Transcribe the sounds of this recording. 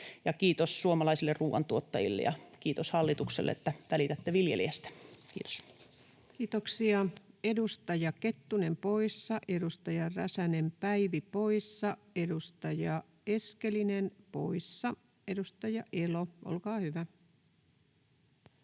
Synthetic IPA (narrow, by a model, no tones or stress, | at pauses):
jɑkiːt̪ossuomɑlɑisilːerruːʋɑ̰nt̪uot̪ːɑjḭlːḛjɑ̰kiːt̪oshɑlːit̪uksḛlːḛḛt̪ːæʋælit̪æt̪ːeʋiljḛliæst̪æ̥kiːt̪o̥s | kiːt̪oksiɑedust̪ɑjɑket̪ːunempoisːɑʔedust̪ɑjɑrræsænempæiʋipoisːɑ | edust̪ɑjɑ | eskelinenpo̰isːɑ | edust̪ɑjɑʔeloʔo̰lkɑːhyʋæ